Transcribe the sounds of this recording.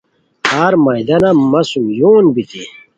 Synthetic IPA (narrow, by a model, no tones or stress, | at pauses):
haːɾmɐjd̪ɐnamɐsujoːnbit̪i